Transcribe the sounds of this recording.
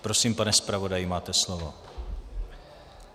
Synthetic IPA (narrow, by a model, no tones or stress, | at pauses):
pɾosimpanɛspɾavo̞dajɪmaːt̪ɛslovo